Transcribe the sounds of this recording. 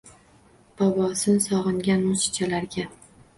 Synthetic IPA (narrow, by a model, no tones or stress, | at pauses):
b̥ɒbɒsɪnsɒʁɨŋɡʲanmʊsɪ̥t͡ʃʰalaɾɡʲa